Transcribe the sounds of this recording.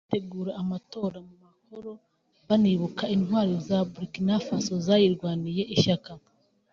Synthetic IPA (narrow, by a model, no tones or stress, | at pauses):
ate̞ɡuːɾaːmato̞ːɾamumahoɾo̞ | βaniβukainhwaːɾizabuɾikinafasozajiɾɡwaːnije̞ʔiʃaka